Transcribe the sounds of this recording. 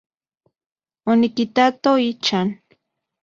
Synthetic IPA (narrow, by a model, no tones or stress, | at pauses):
ʊnɪkɪt̪at̪oɪt͡ʃaŋ